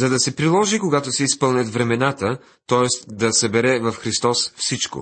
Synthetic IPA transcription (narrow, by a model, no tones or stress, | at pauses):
zɐd̪ɐsɛpɾilˠɔʒikoɡat̪osɛispɤlˠnʲɐt̪vɾɛmɛnat̪ə | t̪ɔɛst̪d̪ɐsɐbɛɾɛvɐfxɾist̪ɔsfsit͡ʃko̰